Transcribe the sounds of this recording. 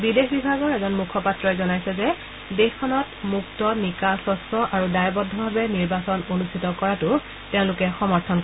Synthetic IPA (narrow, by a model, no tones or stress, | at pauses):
bidexbibʱaɡɔɹɛzɔnmukʰɔpatɹɔjzɔnajsɛzɛ | dexkʰɔnɔtmuktɔnikasɔsɔʔaɹudajbɔdʱːɔbʱabɛniɹbasɔnonustʰitɔkɔɹatʊ | tɛʊ̃lʊkɛxɔmɔɹtʰɔnk